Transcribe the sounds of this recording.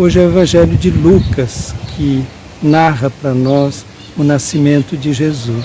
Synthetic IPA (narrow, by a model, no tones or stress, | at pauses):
oʒɪɛwevɐ̃ʒɛljʊd͡ʒɪlukɐskʰɪ | naʁɐpɾɐnɔs | ʊnasimẽnt̪ʊd͡ʒɪʒezus